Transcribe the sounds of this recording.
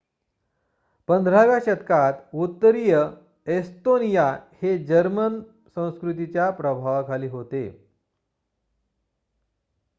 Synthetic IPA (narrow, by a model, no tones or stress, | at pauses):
pənd̪ʱɾaʋjaɕət̪kat̪ut̪ːəɾijə | est̪onijahed͡ʑəɾmən | sə̃w̃skɾut̪̬it͡ɕjapɾəbʱaʋkʰaliːɦot̪ḛ